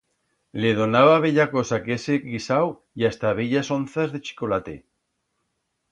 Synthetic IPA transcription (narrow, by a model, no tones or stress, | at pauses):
leð̞o̞naβaβ̞eʎako̞sakeseɣisaw | iast̪aβ̞eʎasonθazðe̞t͡ʃi̥ko̞lat̪ḛ